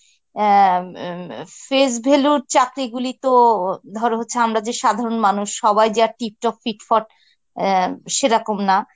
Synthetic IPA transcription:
fes̬bʱeluɾt͡ɕakɾiɡulit̪od̪ʱɔɾeɦotːɕʰeamɾad͡ʑeʃad̪ʱaɾonmanuʃːɔbajd͡ʑaʈip̚ʈɔkfiʈfɔʈ̚ | ʃeɾakomna

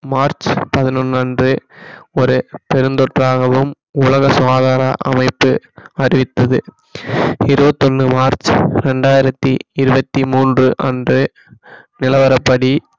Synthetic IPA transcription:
maːɾt͡ʃpɐðɪnɯnːaːndrɯɔɾɯpɛɾɯnd̪ɔʈraːɣɐʋɯm | ʊlɐɣɐsʋaːðaːɾɐʔɐ̰mɐɪpːɯɐɾɪʋɪt̪ːɐðɯ | ɪɾɯbɐt̪ːɔnːɯmaːɾt͡ʃɾɛɳɖaːjɪɾɐt̪ːiɪɾɯbɐt̪ːimuːndrɯʔɐ̰ndrɯ | nɪlɐʋɐɾɐpːɐɽi

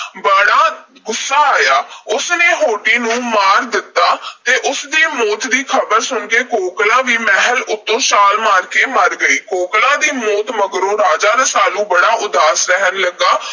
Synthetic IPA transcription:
bəɽaːɡʊsːaːaːjaːʊsneːɦoːʈiːnũːmaːɾd̪ɪt̪ːaːt̪eːʔʊsd̪iːmoːt̪d̪iːkʰəbəɾsʊɳkeːkoːklãːʋiːmɛɦəlʊt̪ːõːʃaːlmaːɾkeːməɾɡəiːkoːklãːd̪iːmoːt̪məɡɾõːɾaːd͡ʒaːɾasaːlũːbəɽaːʔʊd̪aːsɾəɦənləɡːaː

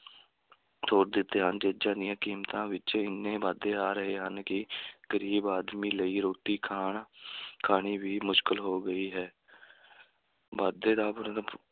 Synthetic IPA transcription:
t̪ʰoːɾd̪ɪt̪ːeːɦənd͡ʒeːd͡ʒãːd̪ɪjãːkiːmt̪ãːʋɪt͡ʃɪnːẽːʋaːd̪eːaːɾəɦeːɦənkɪɡ̥əɾiːbaːd̪miːləiːɾoːʈiːkʰaːɳkʰaːɳiːʋiːmʊʃkəlɦoːɡəiːɦɛː | baːd̪eːd̪aːpʊɾ

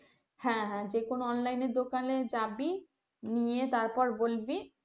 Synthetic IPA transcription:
hɛ̃ɦɛ̃d͡ʑekonoɔnlajneɾd̪okaled͡ʑabi | nijet̪aɾpɔɾbolbi

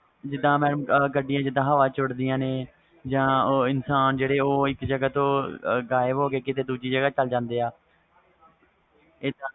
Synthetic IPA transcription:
d͡ʒɪd̪ːãːmɛːnəmɡəɖɪjãːd͡ʒɪd̪ãːɦəʋaːt͡ʃʊɽd̪ɪjãːneː | d͡ʒãːoːɪnsaːnd͡ʒeːɽeːoːɪkd͡ʒəɡaːt̪õːɡaːɪəbɦoːkeːkɪt̪eːd̪uːd͡ʒiːd͡ʒəɡaːt͡ʃəld͡ʒãːnd̪eːaː | eːãː

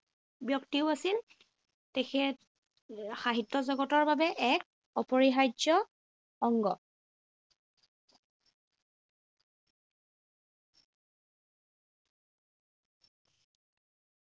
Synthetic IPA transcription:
bjɔktiʊasil | tɛxʰɛt | xaɦitːɔzɔɡɔtɔɹbabɛʔɛk̚ | ɔpɔɹiɦajd͡ʒɔ | ɔŋɡɔ̰

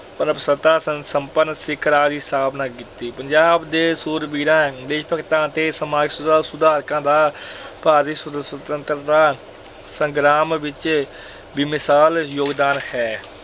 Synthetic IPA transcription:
pənəpsət̪ãːsəsəmpənːsɪkʰɾaːd̪iːsaːbnaːkɪt̪ːiːpəɲd͡ʒaːbd̪eːsuːɾbiːɾãːd̪eːʃpəkt̪ãːt̪eːsəmaːɡsʊd̪aːsʊd̪aːɾkãːd̪aːpaːɾiːsəd̪əsət̪ənt̪ɾd̪aː | sə̃ŋɡɾaːmʋɪt͡ʃ | bimɪsaːljoːɡd̪aːnhɛː

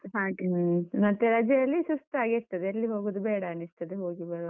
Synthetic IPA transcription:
ɦaːkmɐt̪ːeɾɐd͡ʒɐjɐlːisust̪aːɡiist̪ɐd̪eɐlːiɦo̞ːɡuːd̪ubeːɽɐːnist̪ɐd̪eɦo̞ːɡibɐɾ

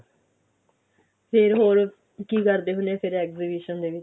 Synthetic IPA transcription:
pʰɪɾɦoːɾ | kiːkəɾd̪eːɦʊneːpʰɪɾɛːkziːbiʃənd̪eːʋɪt͡ʃ

